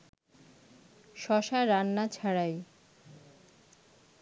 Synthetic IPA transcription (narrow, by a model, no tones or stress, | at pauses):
ʃɔʃaɾanːat͡ɕʰaɾaj